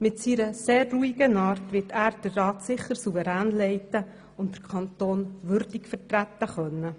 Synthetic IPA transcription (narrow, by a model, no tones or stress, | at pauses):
mɪtsiɾəseːrruiɡənɑːɾtʋɪtʰæːɾd̥ərːɑːtsɪχːəɾsuvəɾæːnlɛɪtə | ʊnt̚d̥əɾkʰɑnt̪oːnʋʏɾdikfəɾtɾæt̪ːəχœnːə